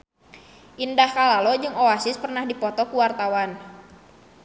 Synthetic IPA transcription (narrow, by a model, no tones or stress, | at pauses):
ʔindahkalalɔd͡ʒɨŋɔasɪspərnahdipɔt̪ɔkuwart̪awan